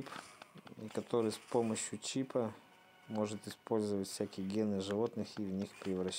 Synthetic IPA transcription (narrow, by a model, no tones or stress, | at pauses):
p | kɐt̪o̞ɾɨjspo̞məɕjʊt͡ɕipʰə | mo̞ʐɨt̪ɪspo̞lʲzəvətʲfsʲækʲɪjəɡʲenɨʐɨvo̞t̪nɨxivnʲixpɾʲɪvɾɐɕː